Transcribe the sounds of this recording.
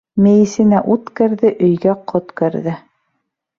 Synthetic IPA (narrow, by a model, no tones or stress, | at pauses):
mɘ̆jɘ̆sɘ̆næʔut̪kɘ̆ɾðɘʔɵ̆jɡæqʰot̪kɵ̆ɾðɘ